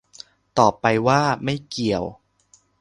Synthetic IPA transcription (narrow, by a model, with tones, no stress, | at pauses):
t̪ɔː˨˩pːa˧jwaː˥˩ma˥˩jki˨˩əw